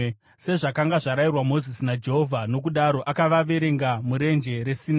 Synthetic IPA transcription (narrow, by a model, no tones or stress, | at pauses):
se̞ʐakaŋɡaʐaɾairwamo̞zisinad͡ʒe̞ɦo̞vʱano̞k̬uɗaɾo̞ʔakaʋaʋe̞ɾe̞ŋɡamuɾe̞nd͡ʒe̞ɾe̞sina